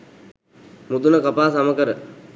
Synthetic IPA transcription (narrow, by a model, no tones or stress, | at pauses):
mud̪unəkapaːsaməkəɾə